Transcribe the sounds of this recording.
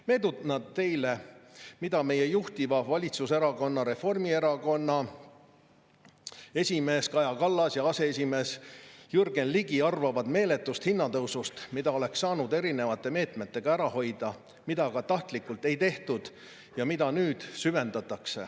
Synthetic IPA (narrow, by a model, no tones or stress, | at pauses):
me̞ːd̪ut̪nɑt̪t̪ːe̞jlemid̪ɑme̞je̞juht̪ivɑvɑlʲit̪suse̞ɾɑko̞nːɑɾe̞fo̞rmie̞ɾɑko̞nːɑ | e̞sʲime̞ːskɑjɑkɑlːɑsjɑɑse̞es̬ʲime̞ːsjurɡe̞nliɡiɑrvɑvɑd̪me̞ːle̞t̪ːˑust̪hinːɑt̪ɤwsust̪mid̪ɑo̞le̞ksːɑːnud̪e̞ɾine̞vɑt̪ˑːe̞me̞ːt̪me̞t̪ːe̞ɡ̥ɑæɾɑho̞jd̪̥ɑ | mid̪̥ɑkɑt̪ɑht̪likːˑult̪ːˑe̞jt̪e̞ht̪ud̪̥ | jɑmid̪ɑnyːd̪̥syve̞nd̪ɑt̪ːˑɑkse̞̰